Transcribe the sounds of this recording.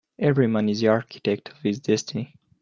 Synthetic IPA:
ʔɛvɹiwʌ̃nɪziaɹkʰi̥tɛk̚tʰʌv̥hɪzdɛstɪni

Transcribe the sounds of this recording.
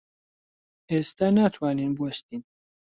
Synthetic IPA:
eːst̪anaːt̪ʰwaːninbwɐʃt̪iːn

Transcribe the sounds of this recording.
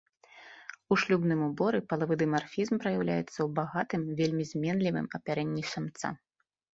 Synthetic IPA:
uʂlʲubnɨmubɔɾɨpɐlˠavɨd̪ɨmarfʲizmpɾɐjawlʲa̰jɛt̪sːɐwbaɣat̪ɨmvʲelʲmʲizʲmʲɛnlʲivɨ̰mɐpʲaɾɛnʲːisʲamt̪sa̰

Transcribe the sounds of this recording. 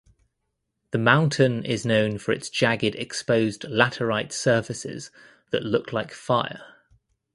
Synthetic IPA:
ðəmãʊ̃ntʰɪ̃nɪ̰znə̃ʊ̃nfəɹɪ̰tsd̥ʒ̥aɡɪdɛkspəʊzdlatʰəɹaɪtsɜˑfɪsɪ̰z̥ | ðəʔlʊkʰlaɪkfaɪə̰

